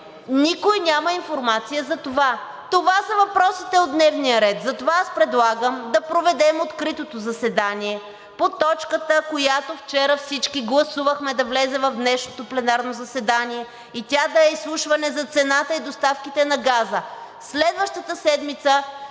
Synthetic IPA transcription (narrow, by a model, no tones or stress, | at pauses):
nikojnʲamɐinfoɾmat̪sijəzɐt̪ova | t̪ovasɐvɐpɾɔsit̪ɛod̪nɛvnijəɾɛt̪zɐt̪ovaaspɾɛd̪lˠaɡəmd̪ɐpɾovɛd̪ɛmot̪kɾit̪ot̪ozɐsɛd̪aniɛ | pot̪ɔt͡ʃkət̪əkojat̪oft͡ʃɛɾəfsit͡ʃkiɡlˠɐsuvəxmɛd̪ɐvlɛzɛvɐvd̪nɛʃnot̪oplɛnaɾnozɐsɛd̪aniɛ | it̪ʲad̪ɐɛislˠuʃvɐnɛzɐt̪sɛnat̪əid̪ost̪afkit̪ɛnɐɡazə | slɛd̪vəʃt̪ət̪əsɛd̪mit̪sə